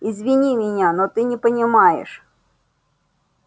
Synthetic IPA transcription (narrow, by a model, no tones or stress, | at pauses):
izvʲɪnʲimʲɪnʲanot̪ɨnʲɪpənʲɪmajɪ̰ʂ